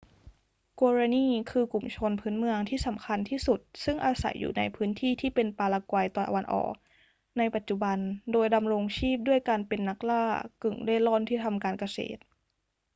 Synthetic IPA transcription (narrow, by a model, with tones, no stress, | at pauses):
koː˧ɾaː˧niː˥˩kʰɯː˧ku˨˩mt͡ɕʰo˧npʰɯː˦˥nmɯ˧əŋt̪ʰiː˥˩sa˩˦mkʰa˧nt̪ʰiː˥˩su˨˩t̪̚sɯ˥˩ŋʔaː˧sa̰˩˦jːṵː˨˩na̰˧jpʰɯː˦˥nt̪ʰiː˥˩t̪ʰiː˥˩pe˧npaː˧laː˧kwa˧jt̪ɔː˨˩ʔwa˧nʔɔ̰ː˨˩k̚ | na˧jpa˨˩t̪̚t͡ɕu˨˩ba˧ndoː˧jda˧mɾo˧ŋt͡ɕʰiː˥˩p̚du˥˩əjkaː˧npe˧nːa˦˥k̚laː˥˩kɯ˨˩ŋda˥˩jlɔː˥˩nt̪ʰiː˥˩t̪ʰa˧mkaː˧nka˧sḛː˨˩t̪̚